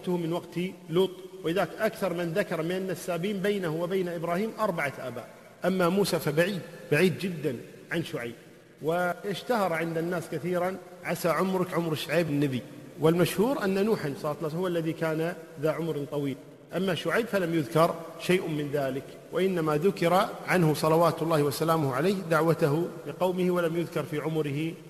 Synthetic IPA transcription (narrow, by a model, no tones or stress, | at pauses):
t̪ʊhmɪnwaɡt̪iluːt̪ˤwʔɪðaːkʔakθɑɾˤmɪnðakɑɾˤmɪnʔanːasːaːbiːmbejnahʊwɪbajnaʔɪbɾɑːhiːmʔɑɾˤbaʕaʔa̰ːba̰ːʔ | ʔamːamuːsafabaʕiːd̪baʕiːd̪d͡ʒɪd̪ːan | ʕanʃʊʕajb̚ | wɪɪʃt̪ahɑɾˤʕɪnd̪anːaːskaθiːɾan | ʕasaʕʊmɾɪkʕʊmɾɪʃʕaːbɪnːabiwɪlmaʃhuːɾʔanːanuːħansˤlɑːt̪lːsʊwːalːaðikaːnaðaʕʊmɾt̪ˤɑwiːl | ʔamːaʃʊʕajbfalamjʊðkɑɾˤʃajʔmɪnðaːlɪk | waʔɪnːamaðʊkɪɾaʕanhʊsˤɑlɑwaːt̪ʊlˤːɑːhɪwasalaːmʊhʕalaːhd̪aʕwat̪aɦʊlɪqɑwmɪhɪwalamjʊðkɑɾˤfiːʕʊmʊɾɪhɪ